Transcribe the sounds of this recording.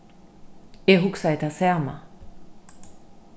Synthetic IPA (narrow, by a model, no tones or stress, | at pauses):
eɦuksaet̪ʰasɛma̰